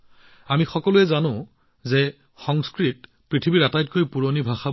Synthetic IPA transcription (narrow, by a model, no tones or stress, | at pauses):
amixɔkɔluɛzanʊ̃ | zɛ | xɔŋskɹit | pɹitʰibiɹatajt̚kojpuɹonibʱaxa